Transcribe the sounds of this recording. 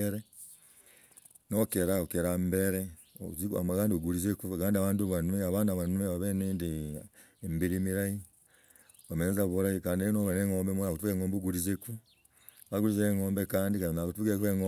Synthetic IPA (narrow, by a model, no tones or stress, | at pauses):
eɾe | nokeɾaokeɾambeɾe | ozia̰makaːndioɡuɾizekuakaːndiaβaːnduβanweaβaːnaβanuweβaβeneːndi | mbiɾimiɾaji | βamenezaβuɾajikaːndiinoβeneŋoːmbemonakutukeŋɡoːmbuɡuɾizeku | βaɡuɾizeŋoːmbekaːndikainakutukekueŋo